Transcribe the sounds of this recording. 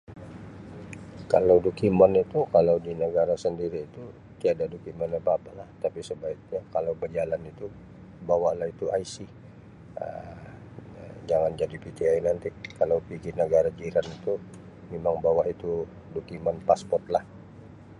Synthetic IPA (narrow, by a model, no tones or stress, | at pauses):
kalawdokimanit̪ukalawdinəɡaɾasəndiɾiːt̪u | t̪iadadokimanapaːpalaht̪apisəbaik̚ɲakalawbəd͡ʒalanit̪u | bawaʔlahit̪uʔaisi | ə̰ | d͡ʒaŋand͡ʒadipit̪iainant̪ikalawpiɡinəɡaɾad͡ʒiɾanit̪u | memaŋbawaʔit̪u | dokimanpaspɔrt̪̚lah